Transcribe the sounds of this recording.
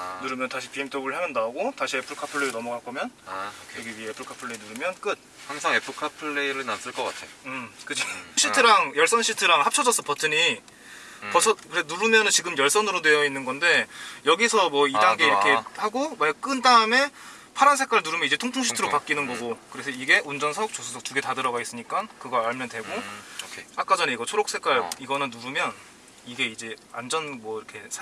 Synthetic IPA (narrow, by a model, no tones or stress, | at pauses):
nuɾɯmjʌntaɕʰi̥pie̞mtʰebɯɭɦeʌndaoɡotaɕʰie̞pʰɯɭkʰapʰɯɭːeɾnʌmʌɡak͈ʌmjʌnjʌɡebiepʰɯɭkʰapʰɯɭːeinuɾɯmjʌnk͈ɯt̚haŋsʰaŋe̞pʰɯɭkʰapʰɯɭːeiɾɯɭnas͈ɯɭk͈ʌk͈a̰tʰeoɯmkɯd͡ʑiŋɕ͈ʰitʰɯɾaŋjʌɭs͈ʌnɕʰitʰɯɾaŋhap̚t͡ɕʰʌd͡ʑʌs͈ʌpʰʌtʰɯɲi | pʌsʰʌkɯɾenuɾɯmjʌnɯnt͡ɕiɡɯmjʌɭs͈ʌnɯɾodwe̞jʌinːɯnɡʌnde̞jʌɡisʰʌmwʌidaŋɡe̞iɾʌkʰe̞haɡomak͈ɯndaɯme̞ | pʰaɾansʰe̞k͈waɭnuɾumjʌnid͡ʑe̞tʰoŋpʰoŋɕʰi̥tʰɯɾopak͈inɯnɡʌɡokɯɾe̞sʰʌiɡe̞ʔund͡ʑʌnsʰʌk̚t͡ɕosʰusʰʌk̚t͡ɕuɡe̞tadɯɾʌɡais͈ɯɲik͈ankɯɡʌaɭmjʌndwe̞ɡo | ak͈ad͡ʑʌne̞iɡʌt͡ɕʰoɾok̚s͈ʰe̞k͈waɭiɡʌnɯnːuɾumjʌn | iɡe̞id͡ʑe̞and͡ʑʌnmwʌiɾʌkʰe̞sʰ